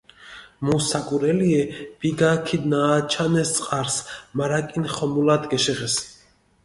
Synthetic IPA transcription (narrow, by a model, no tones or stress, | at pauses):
musakʼuɾɛliɛb̥iɡakʰid̪naːt͡ʃʰanɛst̪sʼqʼaɾsmaɾakʼinχɔmulad̪ɡɛʃɛʁɛs